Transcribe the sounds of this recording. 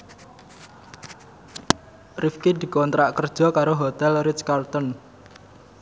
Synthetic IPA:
rifkid̪i̤kɔnt̪ɾaʔkərd̥ʒ̥ɔ̤kaɾoɦot̪ɛlriskart̪ɔn

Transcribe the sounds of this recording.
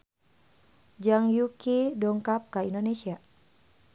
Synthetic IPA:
d͡ʒaŋjukidɔŋkap̚kaindonesia

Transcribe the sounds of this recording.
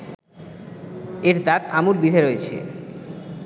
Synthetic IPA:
eɾd̪at̪amulbid̪ʱeɾojet͡ɕʰḛ

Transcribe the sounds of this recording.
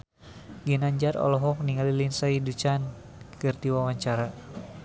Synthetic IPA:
ɡinaɲd͡ʒarɔ̰lɔɦɔk̚niŋalilinsaidut͡ʃan | kɨrd̪iwawaɲt͡ʃaɾa

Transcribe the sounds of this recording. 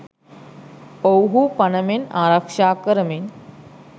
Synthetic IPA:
powɦupɐnəmenaɾakʂaːkəɾəmen

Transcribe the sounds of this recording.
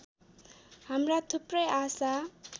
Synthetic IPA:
hamrat̪ʰuprʌjasa

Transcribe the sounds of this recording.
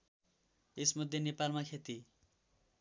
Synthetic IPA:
esmʌd̪ʱːjenepalmakʰet̪i

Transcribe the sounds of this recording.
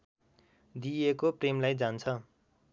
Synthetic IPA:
d̪iekopremlajd͡zant͡sʰʌ

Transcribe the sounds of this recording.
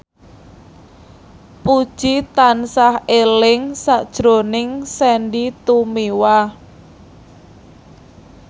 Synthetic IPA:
pud̥ʒ̥it̪ansahelɪŋsad̥ʒ̥ɾonɪŋsɛnɖit̪umiwa

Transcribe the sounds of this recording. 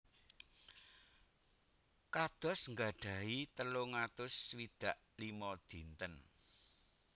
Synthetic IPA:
kad̪̥ɔ̤sŋɡaɖ̥a̤ɦit̪əloŋat̪ʊswid̪̥a̤ʔ | limɔd̪̥i̤nt̪ən

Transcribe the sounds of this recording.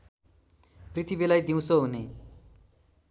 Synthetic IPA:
prit̪ʰibelajd̪iw̃sʌɦune

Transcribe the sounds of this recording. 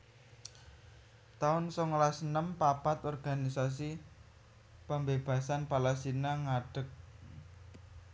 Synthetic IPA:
t̪aʊnsɔŋlasənəmpapat̪ɔrɡ̥a̤nisas̬i | pəmbeb̥a̤sanpalasinaŋaɖ̥ə̤k̚

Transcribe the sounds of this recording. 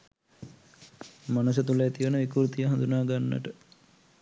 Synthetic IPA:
manus̬ət̪uleet̪iʋənəʋikuɾt̪ijəɦãnd̪unaːɡanːə̰ʈə

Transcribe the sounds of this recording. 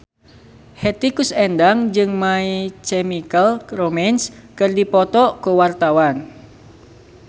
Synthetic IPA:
hɛt̪ikusɛndaŋd͡ʒɨŋmait͡ʃɛmikəlromɛnskɨrdipɔt̪ɔkuwart̪awan

